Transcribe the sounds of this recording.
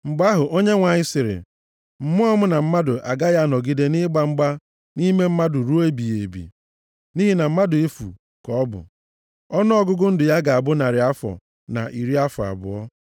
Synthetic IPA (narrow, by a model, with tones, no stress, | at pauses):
ŋ͡m̩˨ɡ͡ba˦ɦʊ˨ʔo˦ɲe˦ŋʷa˨ɲɪ˦sɪ˨ɾɪ̰˨ | m̩˦˨mʊ˦ɔ˦mʊ˦na˨m̩˦ma˦dʊ˨ʔa̰˨ɡa˦ja˦˨nɔ˨ɡi˦de˦nɪ˦ɡ͡ba˨ŋ͡m̩˦ɡ͡ba˦ | ni˦me˦m̩˦ma˦dʊ˨ɾu˦e˦bi˨je˨bḭ˨ | ni˦ɦi˦˨na˨m̩˦ma˦dʊ˨e˦fṵ˨ | kɔ˨˦bʊ̰˨ | ɔ˦nʊ˦ɔ˦ɡʊ˦ɡʊ˦n̩˦dʊ˨ja˦ɡa˨a˨bʊ˦na˨ɾɪ˨a˦fɔ̰˨ | na̰˨ʔi˨ɾi˦a˦fɔ˨a̰˨bʊ̰˨ɔ˦